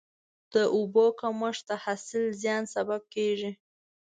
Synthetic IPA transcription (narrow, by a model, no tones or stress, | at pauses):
d̪̥əʔubokaməʂt̪ahasɪlzjɑnsabab̚keʒi